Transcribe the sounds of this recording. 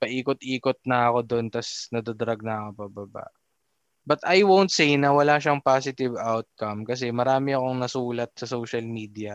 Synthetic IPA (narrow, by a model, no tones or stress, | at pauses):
pɐʔiːkot̪̚ʔiːkot̪̚nɐɐko̞d̪ont̪ɐsnɐd̪ɐd̪ɐɾɐɡ̚nɐɐkopɐbɐba̰ʔ | bɐt̪ɐjwownt̪̚sejnɐwɐlaʃɐŋpaːsɪt̪ɪvawt̪̚kɐmkɐs̬ɛmɐɾaːmɪɐko̞ŋnɐsuːlɐt̪̚sɐsowʃɐlmiːd̪iɐ